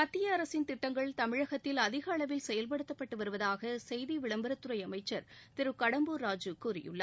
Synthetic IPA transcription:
ɐt̪ːɪjɐːɾɐsɪnt̪ɪʈːɐŋɡɐɭt̪ɐmɪɻɐɣɐt̪ːɪlɐðɪɣɐːɭɐʋɪlsɛjɐlp̬ɐɽɯt̪ːɐpːɐʈːɯʋɐɾɯʋɐðaːɣɐsɛjðiʋɪɭɐmbɐɾɐt̪ːɯɾɐɪɐmɐɪt͡ʃːɐɾt̪ɪɾɯkɐɽɐmbuːɾaːd͡ʒɯkuːrɪ̰jɯ̰ɭːɐ̰

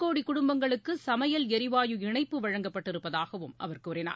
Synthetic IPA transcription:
kːoːɽikːʊɽʊmbɐŋɡɐɭɯkːɯsɐmɐjɐlɛɾɪʋaːjɯɪɳɐɪpːɯʋɐɻɐŋɡɐpːɐʈːɪɾɯpːɐðaːɣɐʋɯmʔɐ̰ʋɐrkːɾɪna̰ː

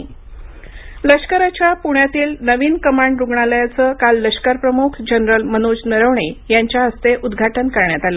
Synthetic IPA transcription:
ləɕkəɾat͡ɕjapuɳjat̪iːlnəʋiːnkəmaɳɖɾuɡɳaləjat͡səːkalːəɕkəɾpɾəmukʰd͡ʑənɾəlmənod͡ʑnəɾəʋɳejaɲt͡ɕjaɦəst̪eʔud̪ɡʱaʈənkəɾɳjat̪alə

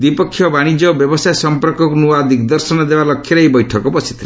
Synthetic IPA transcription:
d̪ipɔkʰːjɔbaɽ̃id͡ʒɔbjɔbɔsajsɔmpɔɾkɔkunuaːd̪ʱikd̪ɔɾsɔnɔd̪ebalɔkʰːjɔɾeejbɔjʈʰɔkɔbɔsi̥t̪ʰila

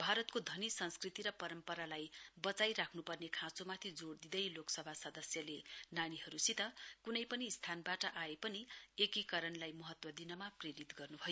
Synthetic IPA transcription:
bʱaɾʌt̪kod̪ʱʌnisʌnskrit̪iɾʌpʌɾʌmpʌɾalajbʌt͡sajɾakʰnupʌrnekʰãt͡somat̪ʰid͡zoɽd̪id̪ʌjloksʌbʱasʌd̪ʌsjʌlenaɽ̃iɦʌɾusit̪ʌkunʌjpʌnist̪ʰanbaʈʌʔaepʌniekikʌɾʌnlajmʌɦʌt̪wʌd̪inʌmapreɾit̪ɡʌrnubʱʌjo

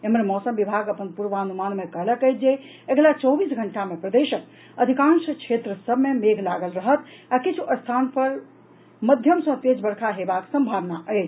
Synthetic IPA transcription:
ememɔsəmbibʱaɡəpənpuɾʋaənumanmekəɦləkɛjt̪̚d͡ʒe | eɡlat͡ʃəwbisɡʱəɳʈamepɾəd̪eʃək̚ | əd̪ʱikãnsəkt͡ʃʰet̪ɾəsəbʱmemeɡʱlaɡəlɾəɦət̪akit͡ʃʰuʔəst̪ʰanpəɾ | məd̪ʱjəmsə̃t̪ed͡ʒbəɾkʰaɦebaksə̃mbʱaʋnaʔəjt͡ʃʰ

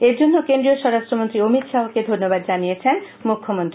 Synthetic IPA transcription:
eɾd͡ʑonːokend̪ɾioʃɔɾaʃtʈɾomont̪ɾiomit̪ʃaɦoked̪ʱonːobad̪̚d͡ʑanijet͡ɕʰen | mukʰːomont̪ɾii

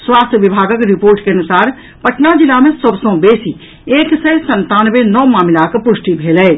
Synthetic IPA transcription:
swaːst̪ʰjʋɪbʱaːɡəkɾɪpoːɾʈkeɐnʊsaːɾ | pəʈnad͡ʒɪlamẽsəbsõːbeːsi | eːksəsə̃nt̪aːnʋenɔːmaːmɪlaːkpʊʃʈibʱeːlɛː

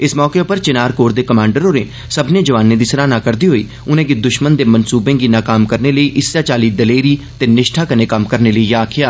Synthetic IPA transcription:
ɪsmɔːkeːʊpəɾt͡ʃɪnaːɾkoːɾd̪eːkəmãːɳɖəɾoːneː | səbnẽːd͡ʒəʋaːnẽːd̪iːsɾaːnaːkəɾd̪iːɦoːiː | ʊnẽːɡid̪ʊʃmənd̪eːmənsuːbẽːɡiːnãːkaːmkəɾneːləiːʔɪsaːt͡ʃaːliːd̪əleːɾiː | t̪eːnɪʃʈʰaːkəneːkəmkəɾneːləiːjaːkʰɪjaː

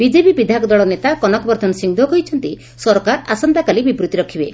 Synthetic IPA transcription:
bid͡ʒepibid̪ʱakɔd̪ɔɭɔnet̪akɔnɔkɔbɔɾd̪ʱɔnɔsiŋd̪ʱɔkɔɦit͡ʃʰɔnt̪i | sɔɾkaɾasɔnd̪akalibipɾut̪iɾɔkʰibe

